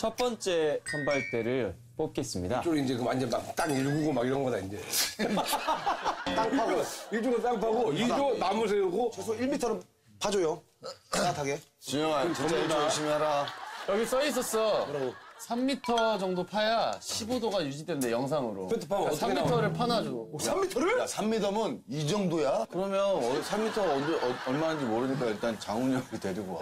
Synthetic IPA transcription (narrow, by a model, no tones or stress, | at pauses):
t͡ɕʰʌp͈ʌnt͡ɕ͈e̞t͡ɕʰʌnbaɭt͈e̞ɾɯɭ | p͈ok͈e̞s͈ɯmɲidat͡ɕoɾoind͡ʑekɯmaɲd͡ʑʌnmakt͈aɡiɾɡuɡomaɡiɾʌŋɡʌdaind͡ʑe | t͈aŋpʰaɡoiɭt͡ɕ͈oɡɯt͈aŋpʰaɡoit͡ɕonamus̬ʰeuɡosʰoiɭmitʰʌɾɯ | pad͡ʑojo | aatʰaɡet͡ɕumjʌŋajoat͡ɕʰimaɾajʌɡis͈ʌis̬͈ʌs͈ʌ | sʰamːitʰʌd͡ʑʌŋdopʰajaɕʰibodoɡajud͡ʑidwe̞nde̞jʌŋs̬ʰaŋɯɾo̰etʰpʰasʰamːittʰʌɾɯɭpʰanad͡ʑoamːitʰʌɾɯɭasʰamːidamɯnid͡ʑʌŋdojakɯɾʌmjʌnʌsʰamːitʰʌʌd͡ʑʌɭmaɦand͡ʑimoɾɯɲik̬͈aiɭt͈ant͡ɕaŋuɲʌite̞ɾuɡoa̰